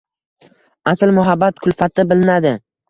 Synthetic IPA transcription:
aslmʊɦabːat̪kʰʊlfat̪̚d̪abɪlɪnad̪ɪ

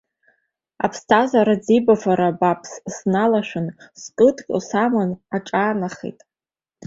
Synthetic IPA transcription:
a̰pʰstʰazaɾad͡zibafaɾabapʰssnalaʃᶣʷʊnskʼɨdkʼo̰samanaʈ͡ʂʼaːnaχḛtʼ

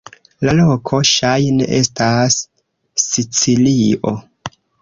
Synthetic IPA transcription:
lalo̞kʰo̞ʃajneʔe̞stasː | it͡siliʔo̞̰

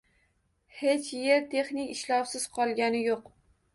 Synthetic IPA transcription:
he̞t͡ʃjeɾt̪ʰe̞χnɪkʲɪʃlɒwsɪz̥qʰɒlˠɡʲanɪjoq

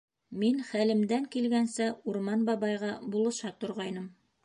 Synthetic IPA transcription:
minχælɘ̆md̪æŋkilɡænsɘuɾmɑnbɑβɑjʁɑbulˠɤ̆ʃɑt̪ŏɾʁɑjnɤm

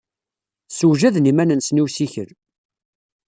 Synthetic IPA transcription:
suwʒæðnimænənsniwsiçə̰ɾ

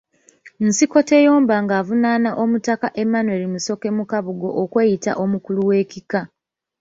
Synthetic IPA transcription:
n̩siko̞te̞jo̞ːmbaːŋɡaːvunanaʔo̞mutakaʔe̞mːanwe̞limuso̞ke̞mukaβuɡo̞̰ʔokweːjita̰ʔo̞mukuluwe̞ːkika

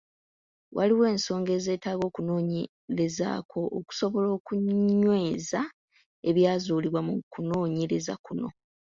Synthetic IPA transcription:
wʔaliwe̞ːnso̞ːŋɡe̞ːze̞ːtaːɡo̞ːkuno̞ːɲe | ɾeza̰ːkʰo̞ʔːku̥so̞βo̞lo̞ːkuwe̞ːza | e̞βjaːzuːliβwamukuno̞ːɲeɾe̞za̰kuno̞̰

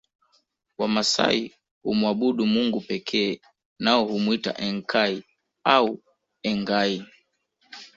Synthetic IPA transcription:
wamasa̰i | humuaɓuɗumuŋɡupɛkʰɛː | naɔhumuita̰ʔɛŋkʰai | au | ɛŋɡai

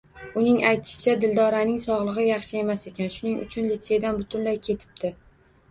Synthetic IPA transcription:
ʊnɪŋʔajt̪ʰɪ̥ʃɪ̥t͡ʃʰad̪ɪld̪ɒɾanɪŋsɒʁlˠɨʁɨjɑχʃɪe̞mase̞kʲanʃʊnɪŋʔʊ̰t͡ʃʰʊnlit̪sed̪anbʊt̪ʰʊnlajkʲʰe̞t̪ʰɪ̥p̚d̪ɪ

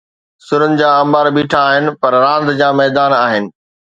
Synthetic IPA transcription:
sʊɾənɪ̆d͡ʑaːɐ̃mbaːɾbiːʈʰaːɦɪnɪ̆pɐɾɾãːnd̪d͡ʑaːmɛːd̪aːnaːɦɪnɪ̆

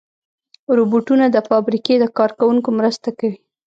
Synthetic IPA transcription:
ɾoboʈunad̪əfɑbɾiked̪əkɑɾkawuŋkomɾəst̪akawi

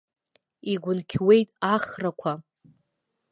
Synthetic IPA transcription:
iɡʷʊnkʲʰwe̞jtʼaχrakʷʰa

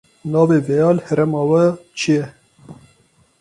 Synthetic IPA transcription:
nɑːveːvɛjɑːlhɛɾɛmɑːwɛt͡ʃʰijɛ

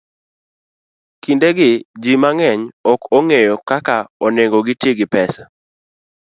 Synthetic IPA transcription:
kindeɡɪd͡ʒimaŋɛɲɔkoŋejɔkakaɔneŋɡoɡɪtjeɡɪpɛsḁ

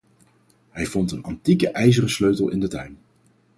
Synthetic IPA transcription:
ɦɛjvɔntənɑntikəʔɛjzərəsløɥtəlˠʔɪ̰ndətœɥm

